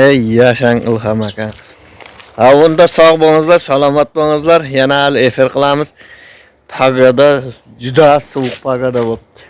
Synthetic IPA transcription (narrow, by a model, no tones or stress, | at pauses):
ejaʃaŋɨ̰lˠɦamakʲan | aʊnd̪asɒʁboŋɨzlˠaɾsalˠɒmat̪̚boŋɨzlˠaɾjanahalɪefɪɾqɨlˠamɪz̥ | pʰaɡad̪a | d͡ʒʊd̪asʊwʊq̚pʰaɡad̪abop̚t̪ʰɪ̥